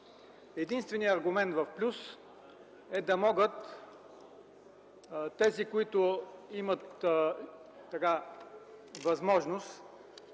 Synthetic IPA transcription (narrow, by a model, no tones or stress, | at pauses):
ɛd̪inst̪vɛniəɐɾɡʊmɛnt̪vɐfplʲus | ɛd̪ɐmɔɡət̪ | t̪ːɛzikoit̪ʊimət̪ | ɐka | vɐzmɔʒnʊs